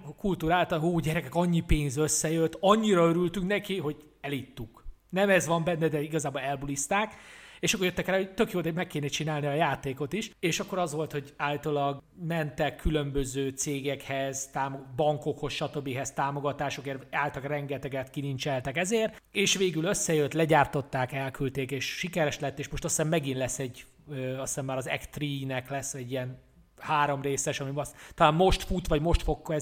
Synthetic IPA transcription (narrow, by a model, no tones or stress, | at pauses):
kult̪uːɾaːlt̪ɒnoːɟɛɾɛkɛkɒɲːipeːnzø̞sːɛjøt̪ːɒɲːiɾɒøɾylt̪yŋknɛkiɦo̞ɟ | ɛlit̪ːuk | nɛmɛzʋɒmbɛnːɛd̪ɛiɡɒzaːbolɛlbulist̪aːkeːʃɒkːorjøt̪ːɛkraːhoɟt̪ø̞kjoːt̪ɒmɛkːeːnɛt͡ʃinaːlniɒjaːt̪eːko̞t̪iʃeːʃɒkːo̞ɾɒzʋo̞lt̪ho̞ɟaːlt̪olɒɡ | mɛnt̪ɛkʰːylø̞mbøzøːt̪seːɡɛkhɛzt̪aːmobɒŋko̞kho̞sʃɒt̪øbːiɦɛst̪aːmo̞ɡɒt̪aːʃo̞keːraːlt̪ɒkrɛŋɡɛt̪ɛɡɛt̪kinint͡ʃɛlt̪ɛkɛzeːrt̪eːʃʋeːɡyløsːɛjøt̪lɛɟaːrt̪o̞t̪ːaːkɛlkylt̪eːkeːʃʃikɛɾɛʃlɛt̪ːeːʃmo̞ʃt̪ɒsːɛːmmɛɡinlɛsːɛɟ | øɒsːamːaːɾɒzɛ̰kt̪riːnɛklɛsːɛɟːiɛn | haːɾo̞mreːsɛʃɒmimɒst̪ɒlaːmmo̞ʃt̪fut̪ʋɒɟmo̞ʃt̪fo̞kːɛ